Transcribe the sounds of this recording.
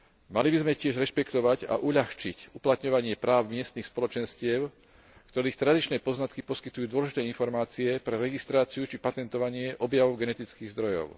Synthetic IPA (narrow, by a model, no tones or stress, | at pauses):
malibizmɛcɪɛʒɾɛʃpɛkt̪ɔʋaɟa̰ʔuʎaxt͡ʃicuplat̪ɲɔʋaɲɪɛpɾaːʊmɪɛst̪nixspɔlɔt͡ʃɛnscɪɛʊ | kt̪ɔɾiːxt̪ɾad̪it͡ʃnɛːpɔznat̪kipɔskit̪ujuːd̪ʊɔlɛʒit̪ɛːinfɔɾmaːt͡siɛpɾɛɾɛɡist̪ɾaːt͡siut͡ʃipat̪ɛnt̪ɔʋaɲɪɛʔɔbjaʋɔʊɡɛnɛt̪it͡skiːɣzd̪ɾɔjɔ̰ʊ